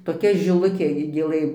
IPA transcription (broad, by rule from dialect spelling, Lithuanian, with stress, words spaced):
toːˈkʲɛ ʒʲɪˈlˠʊkʲeː ɡʲɪ ɡʲeːˈlˠɘ